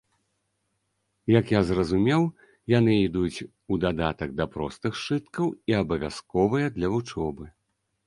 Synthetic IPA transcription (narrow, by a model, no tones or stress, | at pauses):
jɐkjazrɐzumʲɛw | janɨid̪ut͡sʲ | ud̪ad̪at̪ɐɡ̚d̪ɐpɾɔ̰st̪ɨxʂɨt̪kɐwiɐbɐvʲa̰skɔvɨjɐd̪lʲɐvut͡ʂɔbɨ